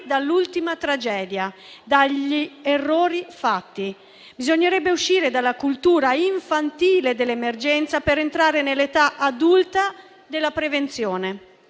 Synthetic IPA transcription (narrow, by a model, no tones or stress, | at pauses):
d̪alːult̪imat̪ɾad͡ʒɛːd̪jad̪aʎːierːoːɾifat̪ːi | bizoɲːeɾɛbːeuʃːiːɾed̪alːakult̪uːɾaiɱfant̪iːled̪elːemerd͡ʒɛnt̪sapeɾent̪ɾaːɾenelːet̪aʔad̪ult̪a | d̪elːapɾevent̪sjɔːne